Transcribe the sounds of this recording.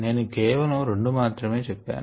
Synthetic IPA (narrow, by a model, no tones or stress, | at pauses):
ne̞ːnukɛːʋɐlɐmɾe̞ɳɖumaːt̪ɾɐme̞ːt͡ʃɛpːa̰ːn